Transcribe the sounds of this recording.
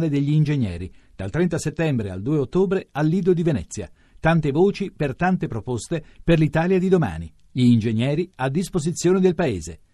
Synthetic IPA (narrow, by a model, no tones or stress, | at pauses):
led̪eʎːiːnd͡ʒeɲːjɛ̰ːɾid̪̥alt̪ɾɛnt̪aset̪ːɛmbɾea̰ld̪uːeot̪ːoːbɾealːiːd̪od̪ivenɛ̰t̪sːja̰ | t̪ant̪evoːt͡ʃipert̪ant̪epɾopost̪eperlit̪aːljad̪id̪oma̰ːni | ʎiːnd͡ʒeɲːjɛːɾiad̪ːispozit̪sːjoːned̪elpaeːze